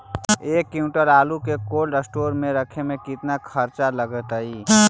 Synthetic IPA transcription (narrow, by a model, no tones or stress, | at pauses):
eːkːjũʈəɾaːlukekoːlɖəsʈoːɾmẽɾəkʰemẽkɪt̪nakʰəɾt͡ʃaləɡət̪ɦəiː